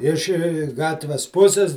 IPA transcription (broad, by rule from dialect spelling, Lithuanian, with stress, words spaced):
ɪʃ ˈɡɑːtʲʋʲɛs ˈpʊsʲɪs